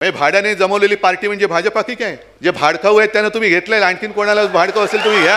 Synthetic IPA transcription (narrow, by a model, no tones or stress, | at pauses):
məebʱaɽjaned͡zəməʋleliːpaɾʈiːm̤əɳd͡zebʱad͡ʑəpakiːkãj | d͡zebʱaɽkʰaʋet̪ːjanːat̪um̤iːɡʱet̪laelaɳkiːnkoɽ̃alat͡sbʱaɽkʰaʋəseːlt̪um̤iːɡʱa